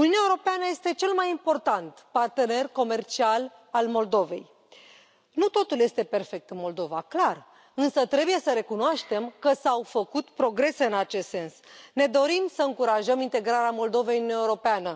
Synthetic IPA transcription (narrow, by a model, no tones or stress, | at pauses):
uniuneaeuɾo̞peanəje̞st̪e̞t͡ʃe̞lmajimpo̞rt̪ant̪part̪e̞ne̞rko̞me̞rt͡ʃial | almo̞ld̪o̞ve̞j | nut̪o̞t̪ulje̞st̪e̞pe̞rfe̞k̚t̪ɨnmo̞ld̪o̞vaklar | ɨnsət̪ɾe̞buje̞səɾe̞kunoaʃt̪e̞mkəsawfəkut̪pɾo̞ɡɾe̞se̞ɨnat͡ʃest̪se̞nsne̞d̪o̞ɾimsəɨŋkuɾaʒəmint̪e̞ɡɾaɾeamo̞ld̪o̞vejɨnunaeuɾo̞peanə